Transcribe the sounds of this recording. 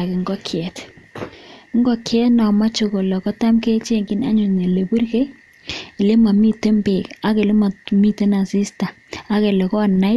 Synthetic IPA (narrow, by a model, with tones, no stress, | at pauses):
kɪ˨ŋɡɔ˦kʰjɛ˨t | ŋɡɔ˦kjɛ˦tnɔ˨ma˦t͡ʃo˨ko˨lɔ˨kɔ˦ta˦mke˦t͡ʃe˦ŋɡi˦na̰˦ɲʊ˨ne˨le˨bu˦rke˦j | i˨le˦ma˨mi˦te˦mpe˨ka˦ke˨le˦ma˨mi˦te˦na˨si˦sta˨ | a˦ke˨lɔ˨kɔ˦˨na˦ɪ˦